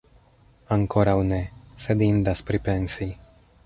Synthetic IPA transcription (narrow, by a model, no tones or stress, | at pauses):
aŋkoɾawnɛsɛd̪ind̪aspɾipɛnsi